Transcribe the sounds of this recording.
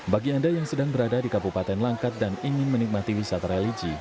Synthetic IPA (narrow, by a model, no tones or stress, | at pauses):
baɡiandajaŋsədaŋbəɾadadikabupat̪ɛnlaŋkat̪̚daniŋɪnmənik̚mat̪iwisat̪aɾelid͡ʒi